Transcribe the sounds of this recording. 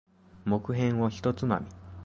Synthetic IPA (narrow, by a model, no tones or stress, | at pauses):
mo̞kɯ̟ɦẽ̞ɰ̃oçi̥t̪o̞t͡sɨma̰mʲi